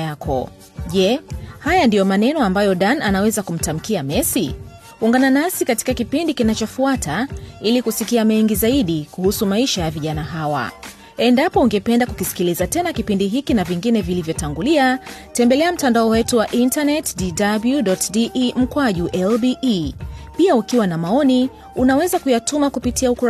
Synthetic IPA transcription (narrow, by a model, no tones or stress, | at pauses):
akʰɔ̰ | ʄɛhajandijɔmanɛnɔambajɔɗananawɛzakum̩tam̩kiamɛsi | uŋɡananasikati̥kakipindikinat͡ʃɔfuatʰailikusikiamɛŋɡizaiɗikuhusumaiʃajaviʄanaɦawa̰ | ɛndapɔuŋɡɛpɛndakukisi̥kilizatɛnakipindiɦikinaviŋɡinɛvilivjɔtaŋɡuliatɛmbɛlɛam̩tandaɔwɛtuwaʔintanɛtdidabljuɗɔtdiʔm̩kwaʄuʔɛlbi | piaukiwanamaɔni | unawɛzakujatumakupitiauku